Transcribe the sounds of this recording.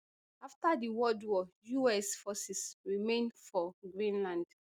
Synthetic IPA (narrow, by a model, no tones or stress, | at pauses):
aftadiwɔdwɔjuɛsfɔsɛsɹimẽndfɔɡɹĩnlãnd̥